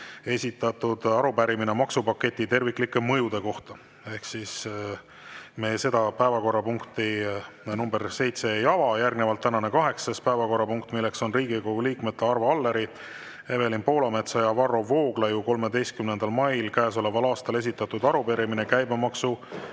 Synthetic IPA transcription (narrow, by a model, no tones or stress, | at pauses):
e̞sʲit̪ːˑɑt̪ud̪ɑɾupæɾimine̞mɑksupɑkːe̞t̪ʲːˑit̪e̞rvikˑlikːˑe̞mɤjud̪e̞ko̞ht̪ɑ | e̞hksis | me̞ːse̞d̪̥ɑpæevɑko̞rːɑpuŋkt̪inumbe̞rse̞jt̪se̞jɑvɑjærɡnevɑlt̪ːænɑne̞kɑɦe̞ksɑspæevɑko̞rːɑpuŋkt̪milːe̞kso̞nriːɡ̥ikoɡuliːkmet̪ːeɑrvɑɑlːeɾi | ebe̞linpo̞ːlɑme̞t̪sɑjɑvɑro̞vo̞ːɡ̥lɑjuko̞lme̞d̪e̞jst̪kymnend̪̥ɑlmɑjlkæːs̬o̞le̞vɑlɑːst̪ɑle̞s̬ʲit̪ːˑɑt̪ːud̪̥ɑɾupeɾiminekæjbɑmɑksu